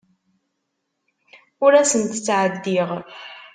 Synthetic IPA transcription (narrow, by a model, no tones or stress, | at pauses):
ʊɾæsənt̪t͡sːʕəd̪ːiʁ